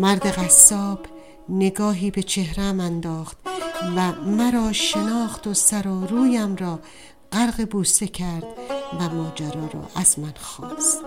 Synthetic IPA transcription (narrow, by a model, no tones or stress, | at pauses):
mæɾd̪e̞ɣæsːɒːb̥ | ne̞ɡɒːɦiːbe̞t͡ʃʰe̞hɾæmænd̪ɒːχt̪væmæɾɒːʃenɒːχt̪osæɾɒːɾuːjæmɾɒː | ɢæɾɣebuːst̪e̞kʰæɾd̪̥væmɒːd͡ʒæɾɒːɾɒ̰ːʔæzmænxɒːst̪